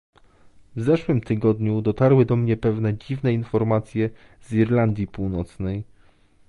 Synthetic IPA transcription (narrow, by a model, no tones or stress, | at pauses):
vzɛʂwɘmt̪ɘɡɔd̪ɲud̪ɔt̪aɾwɘd̪ɔmɲɛpɛvnɛd͡ʑivnɛinfɔɾmat̪sʲjɛ | ziɾland̪ʲjipuwnɔt̪snɛj